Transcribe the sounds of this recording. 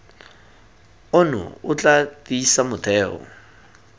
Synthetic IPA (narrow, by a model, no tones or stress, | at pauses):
ʊnʊ̰ʊt͡ɬʼatisamʊtʰɛːɔ̰